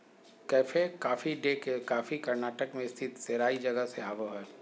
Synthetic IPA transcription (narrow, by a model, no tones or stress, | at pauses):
kɛːfekaːfiɖekekaːfikɐɾnaːʈəkmẽɪst̪ʰɪt̪seːɾaːid͡ʒɐɡəseaːʋoɦɛː